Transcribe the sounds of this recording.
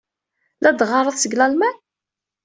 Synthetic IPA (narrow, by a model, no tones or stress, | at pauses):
lʔæd̪ʁɑɾˤəðˤsəɡlɑlmæn